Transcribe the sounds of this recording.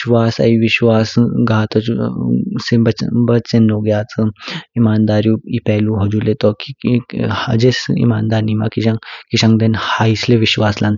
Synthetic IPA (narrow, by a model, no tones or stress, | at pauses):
ʃʋaːsa̰iʋiɕʋaːsɡaːt̪ɔt͡ʃusebɐbɐt͡senːoɡjaːt͡sɨimaːnd̪aːɾjuipɛɦluɦod͡ʒulet̪ɔkiha̰d͡ʒesḭmaːnd̪aːɾnima̰kiãŋkiʃãŋɡd̪enhaisleʋiɕʋaːslãnt̪